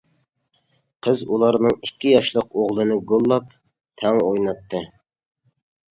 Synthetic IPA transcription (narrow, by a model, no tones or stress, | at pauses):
qʰəzulˠɑɾnɨŋikʲːijɑʃlˠəq̚oʁlˠɨnɨɡolˠːɑp̚ | t̪ʰɛŋojnɑt̪ʰːɨ